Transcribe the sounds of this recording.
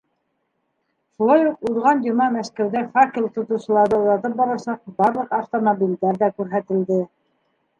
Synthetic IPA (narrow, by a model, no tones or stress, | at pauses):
ʃulˠɑjuquðʁɑnd̪omɑmæʃkæwd̪æfakʲilʲt̪ŏt̪ɤ̆wsɤ̆lˠɑɾd̪ɤuɾɑt̪ɤp̚bɑɾɑsɑq̚bɑɾlˠɤqɑft̪omobʲild̪æɾðækʉɾɦæt̪ɘ̆ld̪ɘ